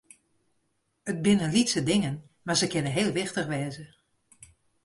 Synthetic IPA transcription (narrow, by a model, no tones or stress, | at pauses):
ət̚bɪnənlitsədɪŋən | marzəkɪnənɦeːlˠʋɪxtəxʋɛːzə